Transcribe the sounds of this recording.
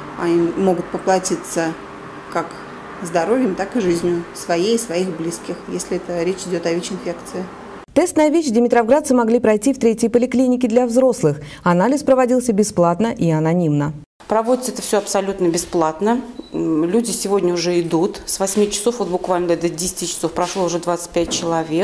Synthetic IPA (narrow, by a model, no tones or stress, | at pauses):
aimːo̞ɡʊt̪̚pəplˠɐtʲit̪sə | kak | zd̪ɐɾo̞vʲjəmt̪akɨʐɨzʲnʲjʊsvɐjejsvɐiɣblʲiskʲɪxjesʲlʲɪɛt̪əɾʲet͡ɕɪdʲot̪ɐvʲet͡ɕɪnfʲekt̪sɨɪ | t̪ɛst̪nɨjəvʲet͡ɕdʲɪmʲɪt̪ɾɐvɡɾat̪sɨmɐɡlʲipɾɐjtʲift̪ɾʲetʲjəjpəlʲɪklʲinʲɪkʲɪd̪lʲɐvzɾo̞slˠɨx | ɐnalʲɪspɾəvɐdʲilˠsʲəbʲɪsplˠat̪nəʔiɐnɐnʲimnə | pɾɐvodʲɪt̪ɛt̪əfsʲoɐpsɐlʲut̪nəbʲɪsplˠat̪nə | lʲudʲɪsʲɪvodʲnʲəʊʐɛɪd̪ut̪svɐsʲmʲit͡ɕɪ̥sofvot̪̚bʊkvalʲnəbʲd̪ədʲesʲɪ̥tʲɪt͡ɕɪ̥so̞fpɾɐʂlˠoʊʐɛd̪vat̪sɨ̥t̚ʲpʲæt̚ʲt͡ɕɪlˠɐvʲek